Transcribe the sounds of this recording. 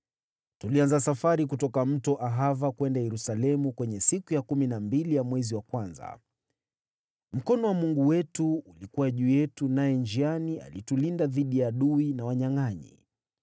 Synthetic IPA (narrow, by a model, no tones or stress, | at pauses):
tulianzasafaɾik̬utɔkam̩tɔʔaɦavakwɛndajɛɾusalɛmukwɛɲɛsikujakuminambilijamwɛziwakwanza̰ | m̩kɔnɔwamuŋɡuwɛtuulikuwaʄuːjɛtunajɛnd͡ʒiania̰litulindaðiɗijaːɗuinawaɲaŋaɲḭ